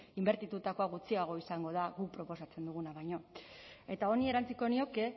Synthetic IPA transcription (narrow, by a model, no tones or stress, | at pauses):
imbe̞ɾt̪it̪ut̪ako̞aɣut͡siaɣ̞o̞isaŋɡo̞ð̞aɣupɾo̞po̞sat͡se̞nd̪uɣ̞unaβajɲo̞e̞t̪ao̞nie̞ɾant͡siko̞nio̞ke̞